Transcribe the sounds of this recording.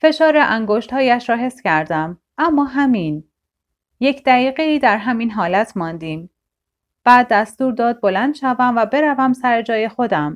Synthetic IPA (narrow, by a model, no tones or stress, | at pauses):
fe̞ʃɒːɾeʔæŋɡoːʃt̪hɒːjæʃɾɒːɦe̞fscʰæɾd̪æm | ʔæmːɒːɦæmiːn | je̞cʰd̪æɣiːɣe̞iːd̪æɾɦæmiːnɦɒːlæt̪ʰmɒːnd̪iːm | b̥æːd̪ːæst̪uːɾd̪ɒːd̪̚bo̞lænd̪̥ʃævæmvæbe̞ɾævæmsæɾe̞d͡ʒɒːje̞xo̞d̪æm